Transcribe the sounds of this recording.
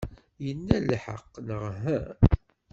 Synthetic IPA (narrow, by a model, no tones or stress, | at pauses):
jənːælħə̰qːnəʁɦæ